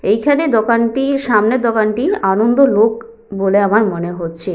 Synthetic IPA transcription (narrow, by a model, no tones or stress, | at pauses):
ejkʰaned̪ɔkanʈiʃamned̪ɔkanʈianond̪olok | boleamaɾmoneɦotːɕʰe